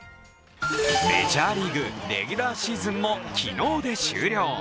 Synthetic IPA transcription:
me̞̰ʑaːɾʲiɡɯ̟ɾe̞̰ɡʲɯɾaːɕiːzɨ̃mːokʲḭno̞ːd̪e̞ɕɨ̰ːɾʲo̞ː

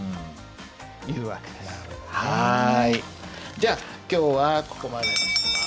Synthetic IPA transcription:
jɯːβake̥haid͡ʑaː | kʲo̞ːβako̞̥ko̞mad̪e

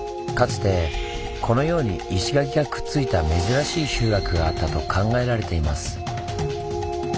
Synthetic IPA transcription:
kat͡sɨ̥t̪e̞ | kʰo̞no̞jo̞ːɲ̟iːɕiɡaɡʲiɡakɯ̟̥t͡sɨit̪ame̞zɨɾaɕiːɕɨːɾakɯ̟ɡaat̪ːat̪o̞kʰãŋɡae̞ɾaɾe̞t̪e̞imasɨ̥

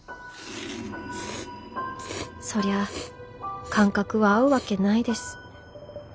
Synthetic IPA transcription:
so̞ɾe̞a | kʰãŋkakɯ̟βaːɯ̟βake̞naid̪e̞sɨ̥

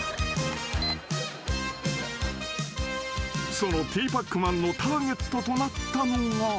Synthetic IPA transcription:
so̞not̪iːpakːɯmãnːo̞t̪aːɡe̞t̪ːo̞t̪o̞nat̪ːanoŋa

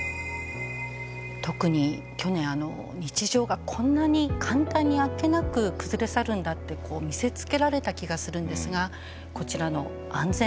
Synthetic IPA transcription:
t̪o̞kɯ̟ɲ̟i | kʲo̞nẽ̞ɰ̃ano̞̰ | ɲ̟it͡ɕiʑo̞ːɡakʰõ̞nːaɲ̟ikʰãnt̪ãɲ̟ːiake̞nakɯ̟kɯ̟zɨɾe̞saɾɯ̟̃nd̪at̪ːe̞kʰo̞ːmʲise̞t͡sɨ̥ke̞ɾaɾe̞t̪akʲiɡasɨɾɯ̟̃nd̪e̞sɨɡa | ko̞t͡ɕiɾano̞ | ãnd͡zẽ

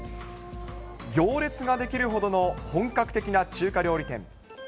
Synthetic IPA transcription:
ɡʲo̞ːɾʲe̞t͡sɨɡad̪e̞kʲiɾɯ̟ɦo̞d̪o̞no̞hõ̞ŋkakɯ̟t̪e̞kʲinat͡ɕɨːkaɾʲo̞ːɾʲit̪ẽ̞̰ŋ

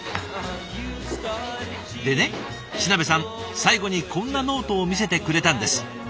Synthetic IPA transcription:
d̪e̞ne̞ | ɕinabe̞sãŋ | saiɡo̞ɲ̟ikʰõ̞nːano̞ːt̪o̞ːmʲis̬e̞t̪e̞kɯ̟ɾe̞t̪ãnd̪e̞sɨ̥

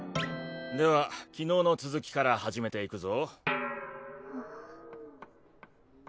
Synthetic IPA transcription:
d̪e̞βakʲino̞ːno̞t͡sɨzɨkʲi̥kaɾahaʑime̞t̪e̞ikɯ̟zo̞

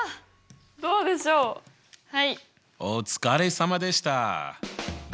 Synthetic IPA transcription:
d̪o̞ːd̪e̞ɕoː | hai | ot͡sɨ̥kaɾesamad̪e̞ɕi̥t̪a̰

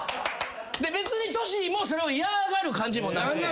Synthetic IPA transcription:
d̪e̞be̞t͡sɨɲ̟it̪o̞ɕimo̞ːso̞ɾe̞oiaɡaɾɯ̟kãɲ̟d͡ʑimo̞na

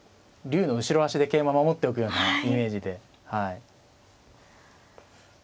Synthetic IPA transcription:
ɾʲɨ̟ːno̞ɯ̟ɕiɾo̞aɕid̪e̞ke̞ːmamamo̞t̪ːe̞o̞k̬ɯ̟jo̞ːnaime̞ːʑid̪e̞ | hai

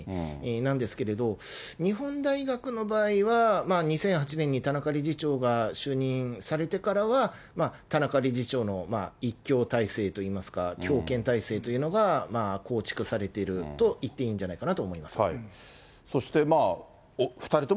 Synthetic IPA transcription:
nãnd̪e̞sɨ̥ke̞ɾe̞d̪o̞ɲ̟iɦõ̞nd̪aiɡakɯ̟no̞baːiβamaːɲ̟isẽ̞ɰ̃ɦat͡ɕinẽ̞ɲ̟ːit̪anakaɾʲiʑit͡ɕo̞ːɡaɕɨːɲ̟ĩɰ̃saɾe̞t̪e̞kaɾaβa | maːt̪anakaɾʲiʑit͡ɕo̞ːno̞maikʲːo̞ːt̪aise̞ːt̪o̞iːmasɨ̥ka̰kʲʰo̞ːkẽ̞nt̪aise̞ːt̪o̞iɯ̟no̞ɡamaːko̞ːt͡ɕi̥kɯ̟saɾe̞t̪e̞ɾɯ̟t̪o̞ʔit̪ːe̞ĩːɲ̟d͡ʑanaikanat̪o̞ːmoimasɨ̥ | so̞ɕi̥t̪e̞ma | ɸɯ̟̥t̪aɾʲit̪o

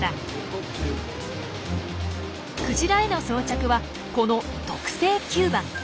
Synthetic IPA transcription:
a | kɯ̟ʑiɾaeno̞soːt͡ɕakɯ̟βa | ko̞no̞ | t̪o̞kɯ̟̥se̞ːkʲɨːbãŋ

